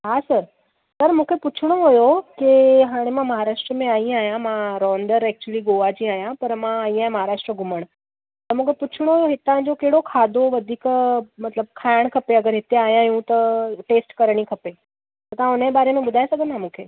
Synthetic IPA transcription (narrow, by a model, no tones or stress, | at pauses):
ɦasəɾ | t̪ɐɾmũːkʰepʊt͡ɕʰɽ̃oɦojokiɦaːɽ̃emãmɐɦaɾaːʂʈɾəmẽaːɦĩaːɦjãmãɾɔːɳɖəɾɛk̚t͡ɕuəliɡoʋad͡ʑĩaːɦjãpɐɾmãaĩaːjãmɐɦaːɾaːʂʈɾəɡʱʊməɽ̃ | t̪ɐɾmũːkʰeput͡ɕʰɽ̃oɦojoɦɪt̪ãd͡ʑokeɦɽokʰaːd̪ʱoʋɐd̪ʱiːkmɐt̪ləb̚kʰaɽ̃kʰɐpeɐɡəɾɦɪt̪eaːɦjãjũt̪ɐʈeːsʈkəɾɽ̃ikʰɐpe | t̪ɐt̪ãʊnebaːɾemẽbʊd̪ʱaːjsɐɡənːamũːkʰeː